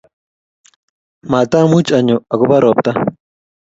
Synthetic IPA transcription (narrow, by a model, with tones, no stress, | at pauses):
ma˨t̪a˦mu˦t͡ʃʼa˨ɲʊ˨a˨ɡʊ˦ba˦ɾɔː˨p̚t̪a˦